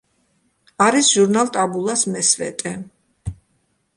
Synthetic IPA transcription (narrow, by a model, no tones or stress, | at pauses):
aɾisʒuɾnalˠt̪ʼabulˠasmɛsvɛ̰t̪ʼɛ